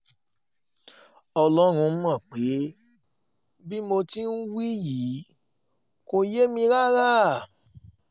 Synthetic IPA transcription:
ɔ˧lɔ˦ɾ̃ũ˧˦m˦ɔ̃˦˨k͡pe˨˦ | bi˦mo˧ti˦n̩˦wi˦jiː˨˦ | ko˧je˦mĩ˧ɾa˦ɾa˦˨

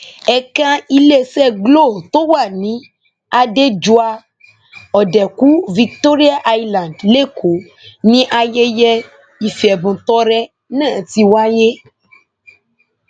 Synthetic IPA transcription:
ɛ˨kã˦i˦le˦sɛ˦ɡlo˦˨t̪o˦wa˦˨nĩ˨˦ | a˧de˦d͡ʒu˦a˧ | ɔ˨dɛ˨ku˦vi˧k̚t̪o˦ɾi˦a˦ʔa˦jlã˨ndle˦˨kʰo˨ | nĩ˦ʔa˨je˦jɛ˦ | i˨fi˨ɛ˨bũ˨t̪ɔ˦ɾɛ˦ | nã˦˨t̪i˧wa˦je˦

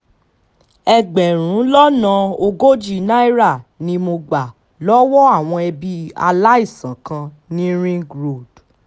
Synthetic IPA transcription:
ɛ˧ɡ͡bɛ˨ɾ̃ũ˨˦lɔ˦nã˧o˧ɡo˦d͡ʒi˦˨nã˦i˦ɾa˦˨nĩ˧mo˧ɡ͡ba˨ | lɔ˦wɔ˦a˦˨w̃ɔ̃˧ɛ˧bi˧a̰˧la˦i˦˨sã˨˦kã˧ | nĩ˦ɾĩ˦ɡɾo˦˨d̥

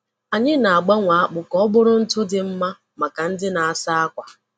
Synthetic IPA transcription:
a˨ɲɪ˦na˨a˨ɡ͡ba˦ŋʷa˨a˦k͡pʊ˨kɔ˦bʊ˦ɾʊ˦n̩˦tʊ˦dɪ˨m̩˦ma˦ | ma˨ka˨n̩˦dɪ˦na˨a˨sa˦a˦kʷa˨

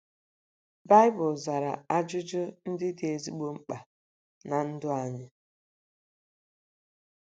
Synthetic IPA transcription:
ba˦ɪ˦bʊ˨lza˨ɾa̰˨a˦d͡ʒʊ˦d͡ʒʊ˦n̩˦dɪ˦dɪ˨˦e˨zi˦ɡ͡bo˦ŋ͡m̩˦k͡pa˨ | na˨n̩˦dʊ˦a˦ɲɪ˦

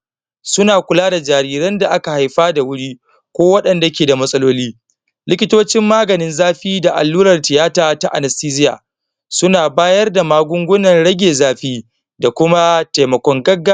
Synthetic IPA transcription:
sʊ˦naː˨kʷʊ˨laː˦da˨d͡ʒaː˨ɾiː˦ɾɐ˦nda˨ʔa˦ka˨ha˨jɸaː˦da˨wʊ˦ɽiː˦ | kʷoː˦wɐ˦ɗɐ˨nda˨kʲeː˨da˨mɐ˦sʼɐ˦loː˦liː˦ | lɪ˦kʲɪ˦toː˦t͡ʃɪ˦mːaː˦ɡɐ˨nɪ˦nzaː˦ɸiː˦da˨ʔa̰˨lːuː˦ɾɐ˨rtɪ˨jaː˦taː˦ta˦ʔa̰˨nɐ˨stiː˦zɪ˦ja̰ː˨ | sʊ˦naː˨baː˦jɐ˦rda˨maː˦ɡʷʊ˦ŋɡʷʊ˦nɐ˨nɽɐ˦ɡʲeː˨zaː˦ɸiː˦ | da˨kʷʊ˦ma˦ta˨jmɐ˨kʷɔ˦ŋɡɐ˦ɡːa˦

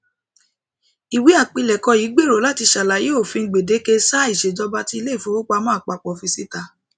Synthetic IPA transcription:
i˨wi˨˦a˦˨k͡pi˧lɛ˨kɔ˧jiː˨˦ɡ͡be˦˨ɾo˨˦la˦ti˧ʃa˨la˨je˨˦o˦˨fĩ˧˦ɡ͡be˨de˨˦ke˧sa˦i˦˨ʃe˨d͡ʒɔ˧˦ba˧ti˦i˧le˦i˦˨fũ˨˦o˦k͡pa˧mɔ̃˦a˦˨k͡pa˨k͡pɔ˨fĩ˧si˦ta˧

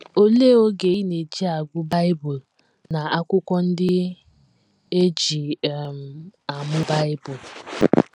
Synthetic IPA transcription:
o˦le˦o˦ɡe˨i˦ne˨d͡ʒi˦a˨ɡʷʊ˦ba˦ɪ˦bʊ˨l | na˨a˦kʷʊ˦kʷɔ˦n̩˦dɪ˦ | e˦d͡ʒi˨m̩˨a˨mʊ˦ba˦ɪ˦bʊ˨l

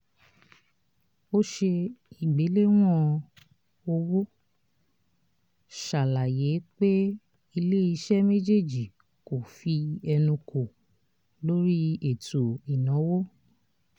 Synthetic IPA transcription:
o˦ʃe˧i˨ɡ͡be˨˦le˦w̃ɔ̃˦ | o˧wo˦ | ʃa˨la˨je˨˦k͡pe˦ | i˧le˦i˧ʃɛ˦me˦d͡ʒe˦˨d͡ʒi˨ | ko˨fi˧ɛ˧nũ˧ko˨ | lo˦ɾi˦e˦˨to˨i˨nɔ̃˨˦wo˦

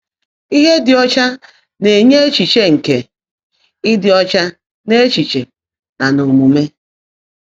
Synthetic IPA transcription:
i˦ɦe˦dɪ˨ɔ˦t͡ʃa˦ | ne˨ɲe˦e˦t͡ʃi˨t͡ʃe˨ŋ̩˨ke˨ | ɪ˦dɪ˨ɔ˦t͡ʃa˦ | ne˦e˦t͡ʃi˨t͡ʃe˨ | na˨no˨mu˨me˦

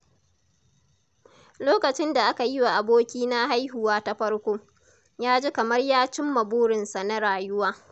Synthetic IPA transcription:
loː˦kɐ˨t͡ʃɪ˦nda˨ʔa˦ka˨jɪ˦wa˨ʔa˨boː˦kʲiː˦na˦ha˦jɦʊ˨waː˦ta˦ɸɐ˦ɽkʷoː˦ | jaː˦d͡ʒi˦kɐ˨mɐ˦rjaː˦t͡ʃɪ˦mːɐ˨buː˦ɽɪ˨nsa˨na˦ɽaː˨jʊ˦waː˦

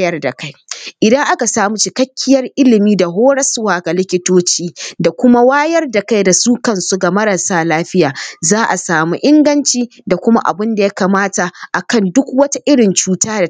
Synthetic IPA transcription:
jɐ˦rda˨ka˦jʔɪ˨dɐ˦ŋʔa˦ka˨saː˦mu˦t͡ʃɪ˨kɐ˦kʲːɪ˦jɐ˦rʔɪ˦lɪ˨miː˦da˨ɦoː˦ɽɐ˦sʊ˦waː˨ɡa˨lɪ˦kʲɪ˦toː˦t͡ʃiː˦da˨kʷʊ˦ma˦waː˦jɐ˦rda˨ka˦jda˨suː˦kɐ˦˨nsu˦ɡa˨mɐ˦ɾa˨saː˦laː˦ɸɪ˦jaː˨zaː˦ʔa˨saː˨mu˦ʔɪ˦ŋɡɐ˦nt͡ʃiː˦ | da˨kʷʊ˦ma˦ʔa̰˨bɪ˦nda˨ja˦kaː˨maː˦ta˨ʔa˨kɐ˦˨ndʊ˦kwɐ˦ta˦ʔɪ˦ɽɪ˨nt͡ʃuː˨taː˦da˨

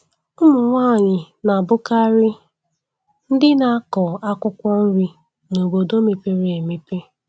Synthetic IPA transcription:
ʊ˦mʊ˨ŋʷaː˦˨ɲɪ˨ | na˨bʊ˦ka˦ɾɪ˦ | n̩˦dɪ˦na˨a˦kɔ˨a˦kʷʊ˦kʷɔ˦n̩˦ɾi˦ | no˨bo˨do˦me˨pe˦ɾe˨e˨mi˦pe˦

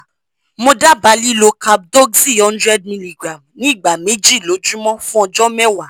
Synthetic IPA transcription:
mo˧da˦ba˨˦li˦lo˧ka˧b̚dɔ˦ɡsi˦ɔ˦ndɾɛ˦d̚mĩ˧li˨ɡɾa˨mnĩ˦˨ɡ͡ba˨me˦d͡ʒi˦˨lo˨˦d͡ʒũ˦mɔ̃˦fũ˦ɔ˧d͡ʒɔ˦mɛ˦wa˨

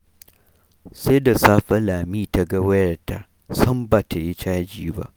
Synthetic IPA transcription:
sa˦da˨saː˦ɸɐ˦laː˨miː˦ta˨ɡa˦wɐ˦jɐ˨rta̰˨ | sɐ˦mbaː˨ta˨ji˦t͡ʃaː˦d͡ʒiː˦ba̰˦ʔ

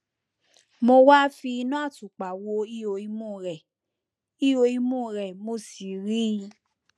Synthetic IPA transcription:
mo˧wa˦fi˧nã˦a˦˨tu˨k͡pa˨wo˧˦i˦o˧i˧mũ˦˨ɾɛ˨ | i˦o˧i˧mũ˦˨ɾɛ˨mo˧˦˨si˨ɾi˦ĩ˧

